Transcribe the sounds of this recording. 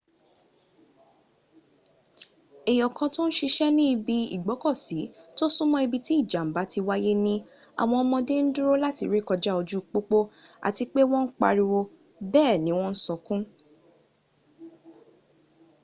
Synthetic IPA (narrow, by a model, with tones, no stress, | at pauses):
e˨jɔ˨kã˧to˦ñ̩˦ʃi˧ʃɛ˦nĩ˦i˧bi˧ḭ˦˨ɡ͡bɔ˨˦kɔ˦˨si˨˦to˦sũ˦mɔ̃˦i˧bi˧ti˦˨d͡ʒa˨m̩˨ba˨˦ti˧wa˦je˦nĩ˦a̰˨w̃ɔ̃˧ɔ˧mɔ̃˧de˦n̩˦dũ˦ɾo˦la˦ti˧˨ɾe˦kɔ˧d͡ʒa˦o˧d͡ʒu˦˨k͡po˦k͡po˦a̰˨ti˧k͡pe˦w̃ɔ̃˦n̩˦k͡pa̰˧ɾi˧wo˧ | bɛː˦˨nĩ˨˦w̃ɔ̃˦n̩˦sɔ˧kũ˦